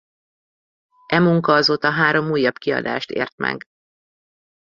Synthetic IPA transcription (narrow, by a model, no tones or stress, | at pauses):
ʔɛmuŋkɒɒzoːt̪ɒɦaːɾo̞muːjːɒbkiɒ̰d̪a̰ːʃt̪ḛːrt̪mɛ̰ɡ